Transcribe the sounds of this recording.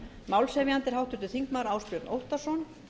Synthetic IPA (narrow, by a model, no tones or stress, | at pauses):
mawlsɛvjant̪ɪɾ̥ɦawht̪ʏɾt̪ʏθiŋkmaɾaːwspjœɾt̪nʔowht̪asɔn